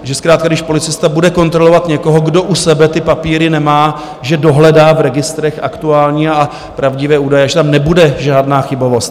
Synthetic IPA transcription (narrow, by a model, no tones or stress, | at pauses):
ʒɛskɾaːt̪kaɡdɪʃpo̞lɪt͡sɪst̪abudɛko̞nt̪ɾo̞lo̞vat̪ɲɛko̞ɦoɡdo̞ʔusɛbɛt̪ɪpapiːɾɪnɛmaː | ʒɛdo̞ɦlɛdaːvɾɛɡɪst̪ɾɛxʔakt̪uaːlɲiːa | pɾavɟɪvɛːuːdajɛaʒɛt̪amnɛbudɛʒaːdnaːxɪbo̞vo̞st̪